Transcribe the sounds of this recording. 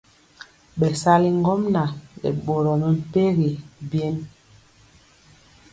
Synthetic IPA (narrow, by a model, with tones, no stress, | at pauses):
ɓɛ˨sa˦li˦ŋ˦ɡɔ˦mna˨lɛ̰˨ɓo˨ɾɔ˨mɛ˨m̩˨pe˦ɣi˨bjɛ˦n